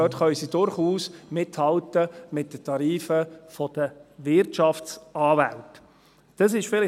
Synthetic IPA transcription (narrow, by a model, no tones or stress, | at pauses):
øːtχœʏsidʊɾχuːsmɪthɑltəmɪt̚d̥ətʰɑɾiːfəfɔd̥əvɪɾtʃɑft͡sɑːvæ̰lt | d̥əsɪʃfɪlɪ